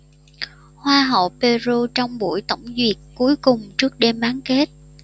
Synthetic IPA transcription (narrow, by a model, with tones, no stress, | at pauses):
hwaː˧ɦə̰˧˩˨wpe˧zu˧t͡ɕɔ˧wŋ͡mɓṵ˧˩əjt̪ə̰˧˩wŋ͡mzwi˨˩ət̚ku˨˦əjkʊ˨˩ŋ͡mt͡ɕɨ˦˥ək̚ɗe˧mɓaː˨˦ŋke˦˥t̚